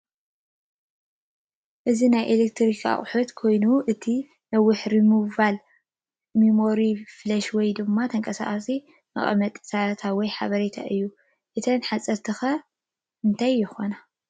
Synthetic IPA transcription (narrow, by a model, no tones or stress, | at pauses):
ʔɨzinajʔelek̚t̪ʰɾikʰa̰χʼħot̪kʰo̞jnuʔɨt̪ʰi | nɐwʊħɾimɨβal | mimo̞ɾiflɐʃwɔjd̪ɨmːat̪ʰɐŋkʼɐsa̰χʼsi | mɐ̰χʼɐ̰mɐt̪ʼsat̪ʰawɔjħa̰βɐɾet̪ʰa̰ʔɨjːu | ʔɨt̪ʰɐnħasʼɐɾt̪ʰɨxɐ | ɨnt̪ʰajːɪxona